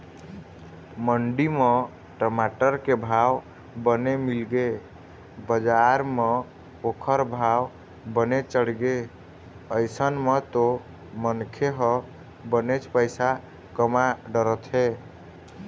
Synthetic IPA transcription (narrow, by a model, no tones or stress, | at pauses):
məɳɖime | ʈəmaʈəɾkebʱaw | bənemilɡe | bəd͡ʒaɾme | okʰəɾbʱaw | bənet͡ʃəɽɡe | əjsənmet̪o | mənkʰeɦə | bənet͡ʃʰpəjsa | kəmaɖəɾət̪ɦe